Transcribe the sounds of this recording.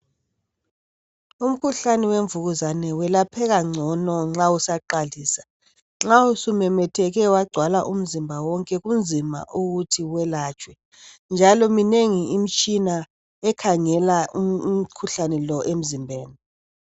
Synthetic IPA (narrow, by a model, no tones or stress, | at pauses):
um̩kʰuɬanɛweɱvuɣuzanɛwɛlapʰɛɣaŋ͡ǀʱɔnɔŋ͡ǁausaǃalisḁ | ŋ͡ǁausumɛmɛtʰɛɣɛwaɡ͡ǀʱwalaʔum̩zimbʱawɔŋkʼɛɣumd͡zʱima̰ʔuɣutʰiwɛlaːt͡ʃʼwɛ | nd͡ʒʱalɔmineŋiim̩t͡ʃʼina | ɛkʰaŋɛlaukʰuɬanɛlɔʔem̩zimbʱeːni